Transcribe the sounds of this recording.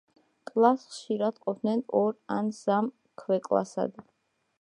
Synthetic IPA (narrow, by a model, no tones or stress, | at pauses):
kʼlˠasχʃiɾad̪qʼɔp̚ʰd̪nɛnɔɾansam | kʰwɛkʼlˠa̰sa̰d̪